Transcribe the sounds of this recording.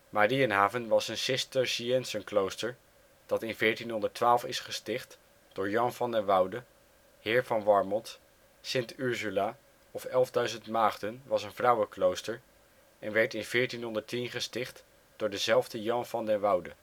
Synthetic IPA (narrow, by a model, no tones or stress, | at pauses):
maːɾiənɦaːvənʋɑsənsɪstəɹʃiɛnsənklowstəɹ | d̥ɑtɪnvɪːɹtinɦɔndətʋaːlˠfɪsχəstɪχt | d̥ʊːɹjɑnvɑndɛnʋɑwdə | hɪːɹvɑnʋɑɹmɔnt | sɪntyɹzyla | ɔfɛlˠvdœɥzəntmaːχdənʋɑsənvrʌwəklowstəɹ | ʔɛnʋɛɹtɪnv̥ɪːɹtinɦɔndəɹtinχəstɪχt | d̥ʊːɹdəzɛlˠvdəjɑnvɑndɛnʋʌwdə